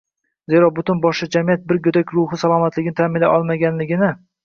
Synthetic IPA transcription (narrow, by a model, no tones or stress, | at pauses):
ze̞ɾɒbʊt̪ɪnbɒʃlad͡ʒamijat̪̚bɪɾɡod̪akʲɾʊɦɪsalˠɒmat̪lɪɡʲɪnɪt̪ʰamɪnlːa̰ʔɒlˠmaɡʲanlɪɡʲɪnɪ